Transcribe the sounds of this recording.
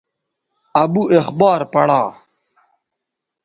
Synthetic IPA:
ɐbuʔexbɑːɾpɐɽaː

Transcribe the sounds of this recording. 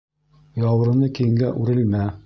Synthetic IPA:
jɑwɤ̆ɾɤ̆nɤkĭŋɡæʔʉɾɘ̆lmæ

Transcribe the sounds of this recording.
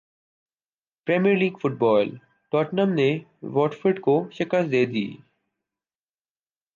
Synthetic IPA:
pɾeːmijəɾliːɡfʊʈ̚bɔːl | ʈɔːʈnəmneʋɔːʈfɪɾɖkoʃɪkəst̪d̪eːd̪ḭː

